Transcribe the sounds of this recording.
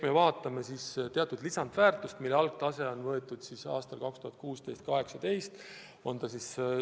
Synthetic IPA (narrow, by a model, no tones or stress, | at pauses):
me̞vɑːt̪ːˑɑme̞sist̪e̞ɑt̪ːˑud̪̥lisɑnd̪̥væːrt̪ˑust̪milːeɑlɡ̚t̪ɑse̞o̞nvɤe̞t̪ːˑud̪̥sisɑ̰ːst̪ɑlkɑkst̪uhɑt̪̚kuːst̪e̞jst̪̚kɑɦe̞ksɑd̪e̞jst̪ | o̞nt̪ɑsis